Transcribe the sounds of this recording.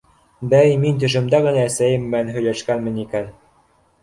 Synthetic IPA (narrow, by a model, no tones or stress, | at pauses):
bæjmint̪ɵ̆ʃɘ̆md̪æɣɘ̆næːsæjɘmːɘænɦɵ̆jlæʃkænmɘ̆nikæn